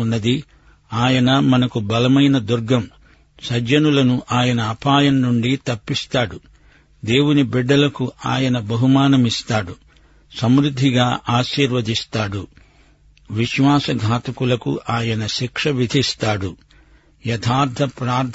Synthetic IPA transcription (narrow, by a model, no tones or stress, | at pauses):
unːɐd̪i | aːjɐnɐmɐnɐkubɐlɐmɐjnɐd̪uɾɡɐm | sɐd͡ʒɐnulɐnuʔaːjɐnɐːpaːjɐnnuɳɖit̪ɐpːist̪aːɽu | d̪e̞ːwunibiɖːɐlɐkuʔaːjɐnɐbɐɦumaːnɐmist̪aːɽu | sɐmɾud̪ʱːiɡaːʔaːʃiːɾʋɐd̪ist̪aːɽu | ʋiʃʋaːsɐɡʱaːt̪ɐkulɐkṵʔaːjɐnɐʃikʂɐʋid̪ʱist̪aːɽu | jɐt̪ʰaːɾt̪ʰɐpɾaːɾd̪ʰʱ